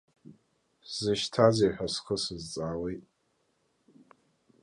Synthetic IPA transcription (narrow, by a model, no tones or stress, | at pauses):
z̥ɨʃtʰazijħʷᶣaskʰɨsɨzt͡sʼaːwejtʼ